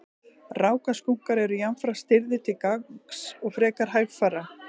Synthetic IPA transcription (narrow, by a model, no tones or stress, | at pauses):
raːwkaskuŋ̥kaɾɛɾʏjanfɾast̪ɪɾðɪt̪ʰɪlkaksɔɣfɾɛːkaɾ̥ɦajɣfaːɾa